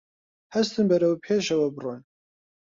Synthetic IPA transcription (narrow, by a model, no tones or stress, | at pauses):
hɐst̪ʰɨmbɐɾɐwpʰeːʃɐwɐbron